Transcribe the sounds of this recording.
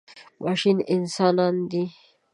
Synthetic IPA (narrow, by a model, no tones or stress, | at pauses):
maʃinɪnsɑnɑnd̪i